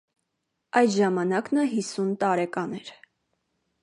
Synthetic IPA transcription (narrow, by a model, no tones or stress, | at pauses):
ɑjd̪ʒɑmɑnɑknɑɦisunt̪ɑɾɛkɑnɛɾ